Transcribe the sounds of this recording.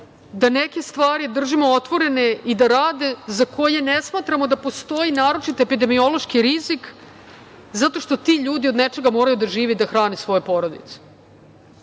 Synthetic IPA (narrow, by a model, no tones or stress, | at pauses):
d̪aneke̞st̪ʋaːɾid̪r̩ʒimoot̪ʋo̞ɾene̞id̪aɾaːd̪e̞zakʰo̞je̞nesmaːt̪ɾamo̞d̪apo̞st̪o̞inaːɾo̞t͡ʃit̪epid̪e̞mio̞lo̞ʃkiɾizik | zat̪o̞ʃt̪o̞t̪iːʎuːd̪io̞d̪net͡ʃe̞ɡamo̞ːɾajud̪aʒiːʋid̪axɾaːnesʋo̞jepo̞ɾo̞d̪ḭt̪se̥